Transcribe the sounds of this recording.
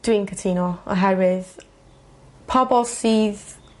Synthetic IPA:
d̥wiːnkʰətʰiːnɔɔ̰ɦɛɹɪz̥ | pʰabɔsiːz

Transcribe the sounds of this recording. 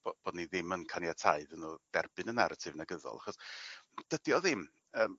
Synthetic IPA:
b̥ob̥oːdniðɪmənkʰanjatʰaɨðənuːd̥ɛrbɨnəna̰ɾətʰɪvnaɡəðɔ̰lˠa̰χɔsd̥ədiɔðɪm | əːm

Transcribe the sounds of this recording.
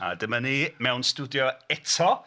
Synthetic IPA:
a̰dəmənimɛwnstudjɔɛtʰɔ

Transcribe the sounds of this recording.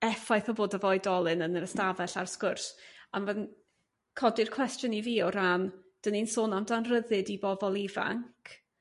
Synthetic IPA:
ɛfajθɔboːdəvɔɨdɔlˠɨnənəɾəstavɛɬarskʊrsanvan | kʰɔdɨrkʰw̥ɛstjɔniviːɔɾand̥əninsoːnamdanrəðɨdibɔvɔlˠiva̰ŋkʰ

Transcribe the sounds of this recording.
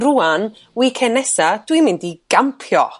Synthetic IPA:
ruan | wikʰɛnɛsad̥wimɪ̃ndiɡ̥ampʰjɔ

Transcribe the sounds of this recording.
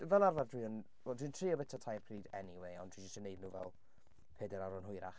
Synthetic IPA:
vɛlˠarvardrwiːən | wɛdwiəntʰriːɔbɛtʰɔtʰajrpʰriːdɛniweɔ̰nd̥ʰwind͡ʒʊstənejdnuːvɛ̰lˠ | pʰeːdɛɾaɾɔnɦʊjɾa̰χ

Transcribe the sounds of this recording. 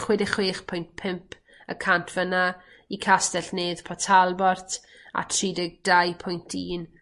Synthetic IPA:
χwɛdɪχweːχpʰʊjntpʰɪmpʰ | ə̰kʰantʰv̥əna | ikʰastɛɬneːð̥pʰɔtʰalˠbɔrtʰ | a̰tʰriːdɪɡ̚dajpʰʊjntʰiːn

